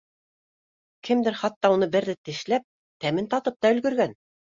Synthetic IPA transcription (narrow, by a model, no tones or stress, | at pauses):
kɘ̆md̪ɘɾχɑt̪ːɑunɤbɘ̆ɾðɘt̪ɘ̆ʃlæp̚ | t̪æmɘnt̪ɑt̪ɤp̚t̪ɑɵ̆lɡɵ̆ɾɡæn